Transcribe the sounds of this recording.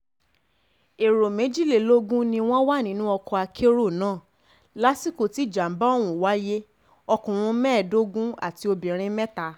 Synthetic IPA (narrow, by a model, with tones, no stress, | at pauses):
e˨ɾo˨mẽ˨˦d͡ʒi˦˨le˨lo˦ɡũ˦nĩ˧w̃ɔ̃˦wa˦˨nĩ˨˦nũ˦ɔ˧kɔ˧a˧kʰe˦ɾo˦˨nãː˦˨ | la˦si˦ko˦˨ti˨˦˨d͡ʒa˨m̩˨˦ba˦o˦˨w̃ũ˨wa˦je˦ | ɔ˧kũ˨ũ˧mɛ̃ː˦˨do˦ɡũ˦a̰˦˨ti˧o˧bĩ˨ɾ̃ĩ˧mɛ̃˦ta˨˦